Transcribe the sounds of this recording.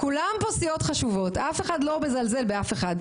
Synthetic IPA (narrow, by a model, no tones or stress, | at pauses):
kulamposijo̞tχaʃuvo̞tʔafe̞χadlo̞be̞zalze̞lbeafe̞χad̪